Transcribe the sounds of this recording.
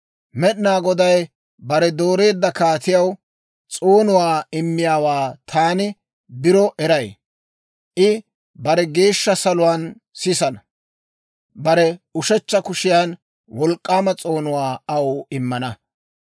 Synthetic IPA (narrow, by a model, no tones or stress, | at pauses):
mɛɗnaːɡɔd̪ɐj | bɐɾɛd̪o̞ːɾe̞ːd̪ːɐkaːt̪ɪjɐw | t͡sʼoːnʊwaːɪmːɪjaːwaːt̪ʰaːnɪ | bɪɾɔʔɛɾɐj | ʔɪ | bɐɾɛɡe̞ːʃːɐsɐlʊwaːn | sɪsɐnɐ | bɐɾɛʊʃɛt͡ʃːɐkʊʃɪjaːn | wɔlkʼːaːmɐt͡sʼo̞ːnʊwaːɐwɪmːɐnɐ